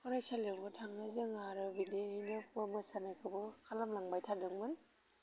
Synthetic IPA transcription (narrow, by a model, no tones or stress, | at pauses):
kʰɔɾajsalewbɯtʰaŋazɯŋaɾɯbideinɯpʰamasanajkʰɯbɯkʰalamlaŋbajtʰadɯŋmɯn